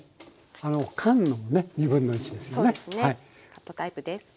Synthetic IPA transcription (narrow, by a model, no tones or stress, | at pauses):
anokʰãnːomone̞ɲibɯ̟̃nːo̞it͡ɕid̪e̞sɨjonesnhai | ot̪aɯd̪es